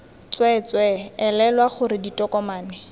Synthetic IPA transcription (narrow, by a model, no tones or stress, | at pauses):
t͡swɛt͡swɛɛlɛlwaχʊɾɪditɔkɔmaːnɛ